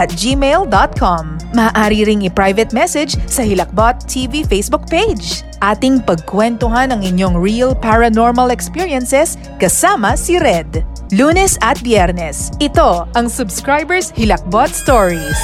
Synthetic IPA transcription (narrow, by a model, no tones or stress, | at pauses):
ʔɐt̪̚d͡ʒimejld̪ot̪̚kʰomːɐʔːʔaːɾiɾɪŋɪpɹajvɛt̪̚mɛsɛd͡ʒsɐhɪlɐk̚bot̪ːʰivifejsbʊk̚pejd͡ʒ | ʔaːt̪ɪŋpɐɡ̚kwɛnt̪oɦanɐŋɪɲjoŋɹiɐlpaɹɐnoɹmɐlɛkspiɹjɐnsɛs | kɐsaːmɐsiɾɛd̪ | luːnɛsɐt̪̚bjɛɾnɛsʔɪt̪o̞ʔɐŋsʊbskɹajbɛɹshɪlɐk̚bot̪̚st̪oɹis